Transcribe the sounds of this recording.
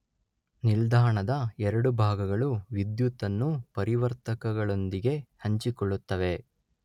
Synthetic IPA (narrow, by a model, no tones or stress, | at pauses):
nild̪ʱaːɳɐd̪ɐɛɾɐɽubʱaːɡɐɡɐɭuʋid̪jut̪ɐnːupɐɾiʋɐɾt̪ɐkɐɡɐɭo̞nd̪iɡe̞hɐɲt͡ʃikoɭːut̪ːɐʋe̞